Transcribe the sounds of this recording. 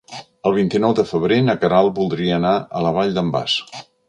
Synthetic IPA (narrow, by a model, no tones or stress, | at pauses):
əlˠβ̞int̪inɔwðəfəβɾenəkəɾalˠbulˠd̪ɾiəːnaələβaʎd̪əmba̰s